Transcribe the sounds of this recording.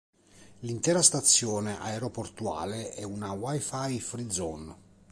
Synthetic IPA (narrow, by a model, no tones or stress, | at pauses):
lint̪ɛːɾast̪at̪sːjɔːneʔa̰eɾoport̪ua̰ːleʔɛunawajfajfɾid̪zɔn